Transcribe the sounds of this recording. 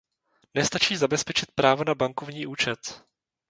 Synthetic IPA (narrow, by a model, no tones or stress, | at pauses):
nɛst̪at͡ʃiːzabɛspɛt͡ʃɪt̪̚pɾaːvonabaŋkovɲiːʔuːt͡ʃɛt̪